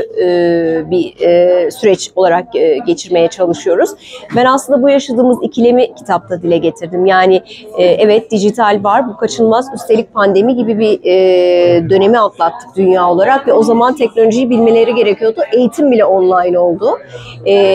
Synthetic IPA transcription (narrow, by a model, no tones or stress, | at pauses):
bi | syɾɛt͡ʃo̞lˠaɾak̚ːɟe̞t͡ʃʰiɾme̞jɛt͡ʃʰalˠɯʃɯjo̞ɾuz̥bænasˠɯnd̪abujaʃad̪ɯːmɯzicʰilʲemicʰi̥t̪ʰap̚t̪ʰad̪ilʲɛɟe̞t̪ʰiɾd̪imjaːnɪːʔɛvɛt̪̚d̪iʒit̪ʰalʲvaɾbukʰat͡ʃʰɯnˠmazyst̪ʰeic̚pʰand̪e̞miɟibibi | d̪ø̞ne̞mialˠt̪lˠat̪ʰːɯ̥k̚d̪̥ynjaːo̞lˠaɾakvɛo̞zamant̪ʰɛcno̞lʲo̞ʒijibilʲme̞lʲe̞ɾiɟe̞ɾecʰijo̞d̪uʔe̞jit̪ʰimbilʲɛo̞nlˠajno̞lˠd̪ʊ | ɛː